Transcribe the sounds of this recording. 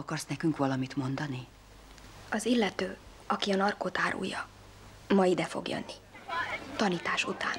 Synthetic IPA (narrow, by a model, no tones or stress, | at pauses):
ɒkɒrsnɛkyŋkʋɒlɒmit̪mo̞nd̪ɒni | ɒzilːɛt̪øː | ɒkiɒnɒrkoːt̪aːɾṵːjɒ | mɒid̪ɛfo̞̰ɡjø̰nːi | t̪ɒniːt̪aːʃut̪aːn